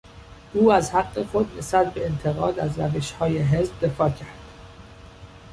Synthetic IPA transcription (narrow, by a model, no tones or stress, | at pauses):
ʔuːæzhæɢːe̞xo̞d̪ne̞sbæt̪̚be̞ːnt̪ʰe̞ɣɒːd̪æzɾæve̞ʃhɒːje̞ɦezb̚d̪e̞fɒːcʰæɾd̪̥